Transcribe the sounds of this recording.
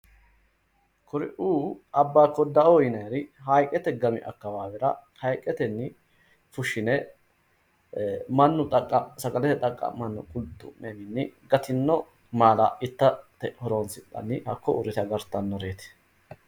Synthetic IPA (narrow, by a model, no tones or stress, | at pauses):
kʊɾɪ̰ʔuːʔɐbːaːkːɔd̪ɐʔojɪnɐjɾɪɦɐjkʼɛt̪ɛɡɐmɪ̰ʔɐ̰kːɐwaːwɛɾɐhɐjkʼɛt̪ɛnːɪ | fʊʃɪnɛ | mɐnːʊt̪ʼɐkʼːɐsɐɡɐlɛt̪ɛt̪ʼɐkʼːɐ̰mɐnːʊkʼʊlt̪ːʊmemɪnːɪɡɐt̪ɪnːɔ | maːlɐʔɪt̪ːɐt̪ɛhɔɾoːnsɪt̪ʼːɐ̰nːɪhɐkːɔʔʊɾɪt̪ɐɡɐɾt̪ːɐnːɔɾeːt̪ɛ̥